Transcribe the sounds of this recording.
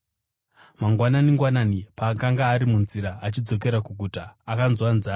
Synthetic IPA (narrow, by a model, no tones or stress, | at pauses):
maŋɡwananiŋɡwananipaːkaŋɡaːɾimunziɾaat͡ʃid͡zo̞k̬e̞ɾakuɡʱutaːkanzwanzaː